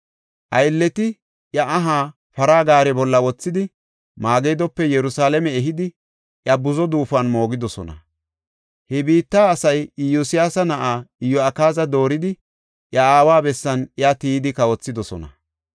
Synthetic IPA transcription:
ʔɐjlːɛt̪ɪ | ʔjɐʔɐɦaː | fɐɾaːɡaːɾɛbɔlːɐwɔt͡sːɪd̪ɪ | maːɡejd̪ɔpːɛjɛɾʊsaːlɛmɛɛɦɪd̪ɪ | ʔjɐbʊzɔd̪uːfɐnmo̞ːɡɪd̪ɔsɔ̰nɐ̰ | hɛbiːt̪ːaːsɐjɪjːʊsɪjaːsɐnɐʔaːɪjːɔɐkaːzɐd̪o̞ːɾɪd̪ɪ | ʔjɐaːwaːbɛsːɐnjat̪iːd̪ɪkɐwɔt͡sːɪd̪ɔsɔ̰nɐ̰

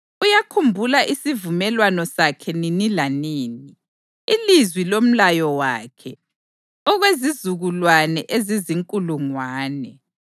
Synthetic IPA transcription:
ujakʰumbʱulaʔisivumɛlwanɔsakʰɛninilaniːni | ilizwilom̩lajɔwaːkʰɛ | ɔɣwezizuɣulwanɛʔeziziŋkʼuluŋwaːnɛ

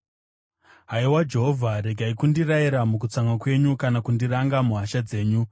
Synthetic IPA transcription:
ɦaiwad͡ʒe̞ɦovʱaɾe̞ɡʱaikundiraiɾamukut͡saŋɡakwe̞ɲukanakundiɾaŋɡamuɦaʃad͡ze̞ːɲu

